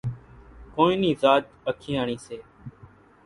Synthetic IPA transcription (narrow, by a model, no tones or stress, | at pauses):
koːĩːniːzaːt͡ʃ | əkʰĩːaːɳĩːseː